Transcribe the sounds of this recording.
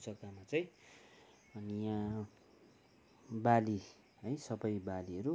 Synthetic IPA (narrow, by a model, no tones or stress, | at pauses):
t͡sʌkamat͡sʌj̃ | ʌnijã | bali | ɦʌjsʌbʌjbaliɦʌɾu